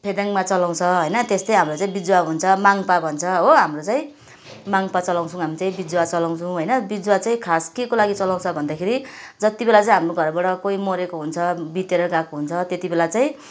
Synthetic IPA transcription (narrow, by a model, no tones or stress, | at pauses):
pʰed̪aŋmat͡sʌlãw̃t͡sʰʌɦʌjnʌt̪est̪ʌj̃ɦamrot͡saĩbid͡zwaɦunt͡sʰʌmaŋpabʱʌnt͡sʰʌɦoɦamrot͡sãĩ | maŋpat͡sʌlãw̃t͡sʰũɦamit͡sãĩbid͡zwat͡sʌlaw̃t͡sʰũɦʌjnʌbid͡zwat͡saĩkʰaskekolaɡit͡sʌlãw̃t͡sʰʌbʱʌnd̪akʰeɾid͡zʌt̪ibelat͡saĩɦamroɡʱʌrbaɽʌkoimoɾekoɦunt͡sʰʌbit̪eɾʌɡakoɦunt͡sʰʌt̪et̪ibelat͡saĩ